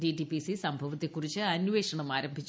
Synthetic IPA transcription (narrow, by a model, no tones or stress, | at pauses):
diʈipisisɐmbʱɐʋɐt̪ːekːurit͡ɕːɨɐnuʋe̞ːʂɐɳɐmaːɾɐmbʱit͡ɕː